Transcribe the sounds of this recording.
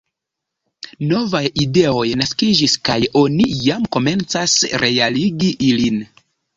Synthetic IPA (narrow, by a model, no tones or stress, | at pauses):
no̞vajide̞o̞jnaskid͡ʒiskajo̞nijamko̞me̞nt͡sasɾʔe̞aliɡiʔilin